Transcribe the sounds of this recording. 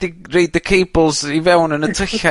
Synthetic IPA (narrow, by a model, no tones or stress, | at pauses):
d̥irejd̪ðəkʰejbl̩ˠzivɛwnənətʰəɬa